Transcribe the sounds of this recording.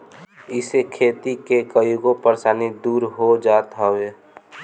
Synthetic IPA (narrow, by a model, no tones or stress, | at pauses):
ɪsekʰeːt̪ikekəiɡopəɾsaːnid̪uːɾɦod͡ʒat̪ɦəwe